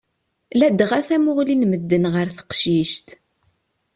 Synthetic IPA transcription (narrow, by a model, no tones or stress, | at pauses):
læd̪ʁæθæmʊʁlinməd̪ːənʁəɾθə̥qʃiʃt̪